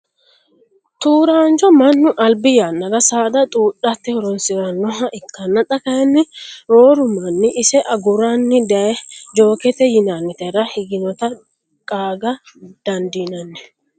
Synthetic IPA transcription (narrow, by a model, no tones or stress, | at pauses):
t̪uːɾaːnt͡ʃɔmɐnːʊʔɐlbɪjanːɐɾɐsaːd̪ɐt̪ʼuːɗːɐt̪ːɛhɔɾɔnsɪɾɐnːɔɦɐʔɪkːɐnːɐt̪ʼɐkɐjɛnːɪɾoːɾʊmɐnːɪʔɪsɛʔɐɡʊɾanːɪd̪ɐɛd͡ʒo̞ːkɛt̪ɛjɪnanːɪt̪ɛɾɐhɪɡɪnɔt̪ɐ | kʼaːɡɐ | d̪̥ɐnd̪iːnɐnːɛ